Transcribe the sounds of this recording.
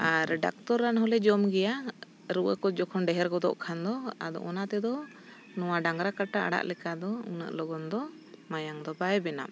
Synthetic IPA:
aɾɖa̰k̚t̪ɔɾːanɦɔlɛd͡ʒɔmɡɛja | ɾuʔəkɔd͡ʒɔkʰɔnɖɛɦɛɾɡɔd̪ɔ̰ʔkʰand̪ɔa̰d̪ɔ̰ʔɔnat̪ɛd̪ɔ | nɔwaɖaŋɡɾakaʈaa̰ɽa̰ʔlɛkad̪ɔṵnə̰ʔlɔɡɔnd̪ɔ | majaŋd̪ɔbajɛbɛna̰m

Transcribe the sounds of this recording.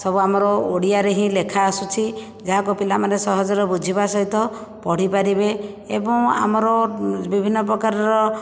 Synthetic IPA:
sɔbuamɔɾɔoɽijaɾeɦĩlekʰaːsut͡ʃʰi | d͡ʒaɦakupilamanesɔɦɔd͡ʒɔɾɔbud͡ʒʱibasɔɦit̪ɔ | pɔɽ̤ipaɾibe | ḛbɔŋa̰mɔɾɔbibʱinːɔpɾɔkaɾɔɾɔ

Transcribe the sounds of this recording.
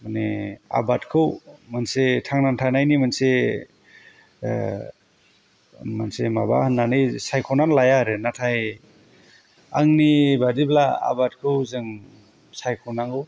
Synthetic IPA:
manḛa̰batkʰɯwmɯnsetʰaŋnantʰanajnimɯnse | mansemaba̰hɯnːanɯjsajkʰɔnanlajaɾɯnatʰaj | aŋnibadiblaa̰bat̚kʰɯwzɯŋ | sajkʰɔnaŋɡɯw

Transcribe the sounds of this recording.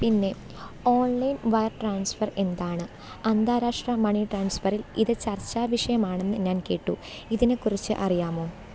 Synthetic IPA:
pinːe̞ | o̞ːɳlɐjnʋɐjɐrʈraːnsfɐre̞nd̪aːɳɨ | ɐnd̪aːɾaːʂʈrɐmɐɳiʈraːnsfɐriliðɨt͡ɕɐrt͡ɕːaːʋiʂɐjɐmaːɳe̞nːɨɲaːnke̞ːʈːu | iðinekːurit͡ɕːɨ̰ʔɐrijaːmoː

